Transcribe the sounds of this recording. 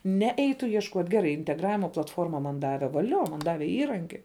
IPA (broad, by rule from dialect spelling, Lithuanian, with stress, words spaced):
ˈnʲɛ ˈɛɪtʊ iɛʃˈkuɔtʲ ɡʲɛˈrɐɪ ɪnʲtʲɛɡˈrɑːʋʲɪmɐ plˠɐtˈfoːrmɐ mɐn ˈdɑːʋʲɛ ʋɐˈlʲoː mɐn ˈdɑːʋʲɛ ˈiːrɐŋʲkʲɪ